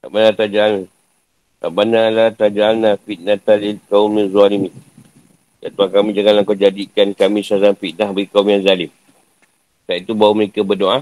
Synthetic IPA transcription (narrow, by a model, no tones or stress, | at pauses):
ta̰ʔbanalat̪ad͡ʒaːn | aʔbanalat̪ad͡ʒanːafit̪̚nat̪alikaumizuanimi | ja̰t̪uakamĩd͡ʒaŋanlaŋkawd͡ʒadikankamĩsazanfit̪̚nahbaɡikaumjaŋzalɪm | t̪aʔit̪ubauməɾekabədoʔa